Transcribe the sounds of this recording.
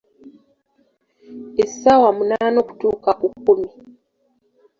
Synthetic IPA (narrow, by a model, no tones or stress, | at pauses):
esawamunaːnoku̥tuːkaʔukːumi